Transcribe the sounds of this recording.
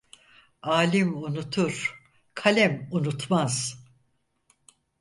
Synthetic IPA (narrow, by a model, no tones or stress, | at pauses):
aːlʲimunut̪ʰuɾ̥ | kʰalʲɛmunut̪maz̥